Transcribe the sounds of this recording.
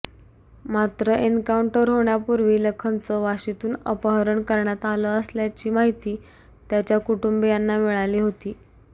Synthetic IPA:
mat̪ɾəʔenkauɳʈəɾɦoɳjapuɾʋiːləkʰənt͡səʋaɕit̪uːnəpəɦəɾəɳkəɾɳjat̪aləəsljat͡ɕiːmaɦit̪iː | t̪jat͡ɕjakuʈumbejanːamiɭaliːɦot̪iː

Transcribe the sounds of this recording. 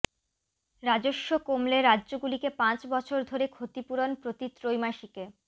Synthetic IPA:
ɾad͡ʑoʃːokomleɾadːʑoɡulikepãt͡ɕbɔt͡ɕʰoɾd̪ʱoɾekʰot̪ipuɾonpɾot̪it̪ɾojmaʃike

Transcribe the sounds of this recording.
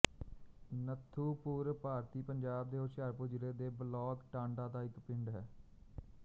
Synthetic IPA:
nət̪ʰːuːpuːɾpaːɾt̪iːpəɲd͡ʒaːb̚d̪eːoʃjaːɾpʊd͡ʒɾeːd̪eːbəlɔːkʈãːɳɖãːd̪aːɪkpɪɳɖɦɛː

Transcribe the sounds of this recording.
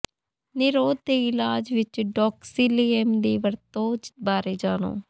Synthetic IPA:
nɪɾoːd̪̚d̪eːɪlaːd͡ʒʋɪt͡ʃɖɔːksiːliːɛmd̪eːʋəɾt̪oːd͡ʒbaːɾeːd͡ʒaːno̰ː

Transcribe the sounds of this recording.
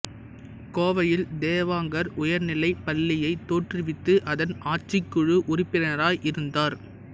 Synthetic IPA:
koːʋɐjɪld̪eːʋaːŋɡɐɾʊjɐɾnɪlɐɪpɐlːɪjɐɪt̪ːoːʈrɪʋɪt̪ːɯʔɐðɐnaːt͡ʃːɪkːɯɻɯʔʊrɪpːɪnɐɾaːjʔɪɾɯnd̪aːɾ

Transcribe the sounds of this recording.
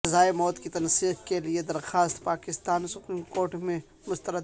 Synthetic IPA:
ɐzaːemɔːt̪kit̪ɐnsiːqkelied̪ɐɾxaːst̪paːkɪst̪aːnsʊpɾiːmkoːɾʈmẽ | mʊst̪əɾə

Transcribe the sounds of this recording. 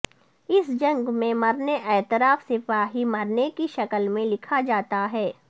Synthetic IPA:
ɪsd͡ʒɐ̃ŋɡmẽmɐɾneʔɛːt̪ɪɾaːfsɪfaːɦimɐɾnekiʃɐkəlmẽlɪkʰad͡ʒaːt̪aɦɛː

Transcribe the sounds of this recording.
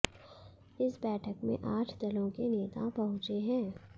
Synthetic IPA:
ɪsbɛːʈʰəkmḛ̃ʔaːʈʰd̪ɐlõkeneːt̪apɐɦʊ̃t͡ʃeɦɛ̃ː

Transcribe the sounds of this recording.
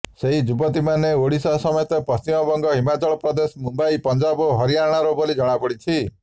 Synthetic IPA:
seɦid͡ʒubɔt̪imaneoɽisɔɦsɔmɔjɔt̪ɔpɔst͡ʃimɔbɔŋɡɔɦimat͡ʃɔɭɔpɾɔd̪esɔmumbaipɔnd͡ʒabɔɦɔɾiaɽ̃aɾobolid͡ʒɔɽ̃abɔɽit͡ʃʰi

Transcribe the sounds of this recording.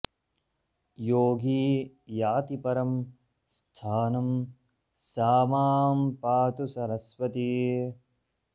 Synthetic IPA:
joːɡʱiː | jaːt̪ipɐɾɐm | st̪ʰaːnɐm | saːmaːmpaːt̪usɐɾɐsʋɐt̪i

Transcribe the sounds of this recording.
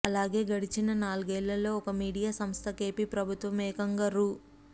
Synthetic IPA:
ɐlaːɡe̞ːɡɐɽit͡ʃinɐnaːluɡɛːlːɐlo̞ːɔkɐmiːɽijaːsɐmst̪ʰɐke̞ːpiːpɾɐbʱut̪ʋɐmɛːkɐŋɡɐɾu

